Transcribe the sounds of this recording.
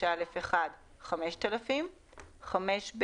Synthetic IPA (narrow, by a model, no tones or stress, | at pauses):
alefeχad | χameʃt̪alafim | χameʃb